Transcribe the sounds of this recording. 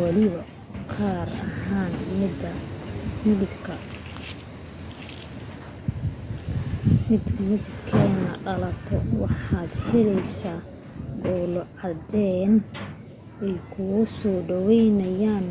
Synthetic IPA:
wɑlɪβɐ | qʰaːɾɐ̰haːnmɪd̪ɐmɪðɪbkʰɐ | mɪd̪ʰmɪðɪbkʰɛːnɐ̰ɖɐlɐt̪ʰɔ̰wɑħɑːd̪hɛlɛjsaː | ɡɔːlɔʕɑd̪ɛːn | ɛjkʰʊɣʊsɔːɖɔwɛjnɐjaːn

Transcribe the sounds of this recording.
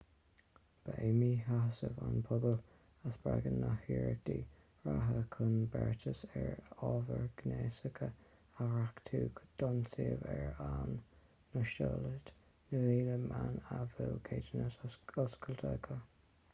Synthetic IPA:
b̥əemiɦasəvanpʰʊbəl | əsb̥ɹaɡənːahiːɹək̚d̪̥iː | ɹaɦəkʰʊnbɛɹtʰəsɛɹɔvəɹɡ̥neːsəkʰə | aɹakt̪ʰuːkd̪̥ɔnsiəvɛɹanː | əʃtoːlət | nəviːləmʔanavɪlkʰeːdənəsəskʰəlt̪ʰəkʰə

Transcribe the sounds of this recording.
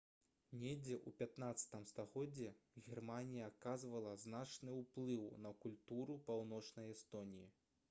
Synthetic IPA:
nʲed͡zʲɛʔupʲat̪nat̪sɐ̥t̪ɨmst̪aɣɔd͡zʲːɛɣʲirmanʲijɐːkazvɐlˠɐznat͡ʂnɨwplˠɨwnɐkulʲt̪uɾupawnɔt͡ʂnɐjɛst̪ɔnʲiji

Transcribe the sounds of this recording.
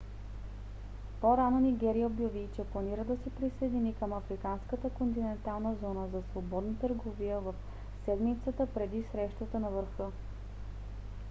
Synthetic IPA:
poɾanoniɡɛɾijəobjɐvit͡ʃɛplˠɐniɾəd̪ɐsɛpɾisəjd̪inikəmɐfɾikanskət̪əkont̪̬inɛnt̪alˠnəzɔnəzɐsvobɔd̪nət̪əɾɡovijəvɐf | sɛd̪mit̪sət̪əpɾɛd̪isɾɛʃt̪ət̪ənɐvəɾxɤ

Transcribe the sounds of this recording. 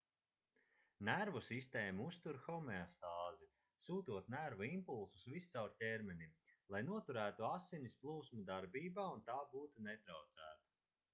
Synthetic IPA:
næɾvusist̪eːmuust̪uɾxɔmɛɔst̪aːzi | suːt̪uɔt̪næɾvuimpulˠsu̥svist̪sawɾtʲeɾmʲɛnʲimlˠajnuɔt̪uɾæːt̪uasinisplˠuːsmud̪aɾbiːbaːunt̪aːbuːt̪unet̪ɾawd̪zæ̰ːt̪ḁ

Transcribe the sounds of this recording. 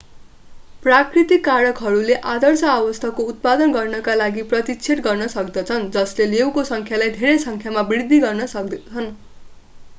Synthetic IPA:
prakrit̪ikːaɾʌkɦʌɾuleʔad̪ʱʌrsʌawʌst̪ʰʌkːout̪̚pad̪ʌnɡʌrnʌkalaɡiprʌt̪it͡sʰeʈ̪ɡʌrnʌsʌkd̪ʌt͡sʰʌnd͡zʌslelewkosʌŋkʰjalajd̪ʱeɾejsʌŋkʰjamabird̪ʱːiɡʌrnʌsʌk̪ʰʌn

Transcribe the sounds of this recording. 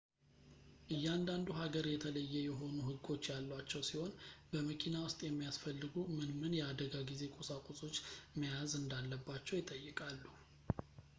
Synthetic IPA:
ʔɨjːɛand̪and̪uɦaɡəɾjɛt̪ʰələjːɛjɛɦo̞nuɦɨɡːo̞t͡ʃːjalːwat͡ʃːɛwsiho̞nbəməkʰinawʊst̪ʼjɛmːijasfəlːɨɡumɨnmɨnjɛad̪əɡaɡize̞kʼosakʼusʼo̞t͡ʃːməjazɨnd̪alːəbːat͡ʃːɛwjɪt̪ʼːəjːɨkʼalːu

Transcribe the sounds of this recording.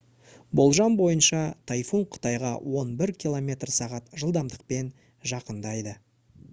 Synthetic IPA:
bo̞lˠʒɑmbo̞jənʃɑt̪ʰɑjfuɴqʰʊ̥t̪ɑjʁɑ̰wo̞nbɪɾkʲʰilˠo̞mʲe̞t̪rsɑʁɑt̪ʒəlˠd̪ɑmd̪əq̚pe̞n | ʒɑqənd̪ɑjd̪ə

